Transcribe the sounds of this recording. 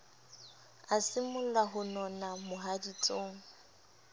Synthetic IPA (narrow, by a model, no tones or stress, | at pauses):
asɪmʊllaɦʊnɔnamʊɦadit͡sʼoːŋ̩